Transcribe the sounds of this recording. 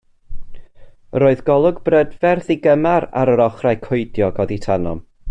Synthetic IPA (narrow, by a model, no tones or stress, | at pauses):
ɾoːɨðɡɔlˠʊɡbrədvɛrθiɡəmaɾa̰ɾəɾɔχrajkʰʊɨdjɔɡɔditʰanɔ̰m